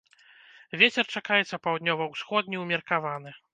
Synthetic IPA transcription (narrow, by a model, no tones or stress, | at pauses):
vʲet͡sʲɛrt͡ʂakajɛt̪sːɐpawd̪nʲɔvɐwsxɔd̪̚ʲnʲiwmʲɐrkavanɨ